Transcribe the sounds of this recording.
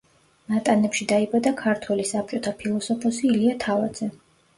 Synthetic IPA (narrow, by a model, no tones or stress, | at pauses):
nat̪ʼanɛpʃid̪aibad̪akʰaɾt̪ʰwɛlisap̚t͡ʃʼɔt̪ʰapʰilˠɔsɔpʰɔsiːliat̪ʰava̰d̪z̥ɛ